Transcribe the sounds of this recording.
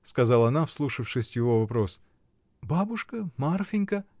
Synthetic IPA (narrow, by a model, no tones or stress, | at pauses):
skɐzɑlˠɐɐnafslˠuʂɨfʂɨsʲjɪvo̞vɐpɾo̞s | babʊʂkəmarfʲɪnʲkə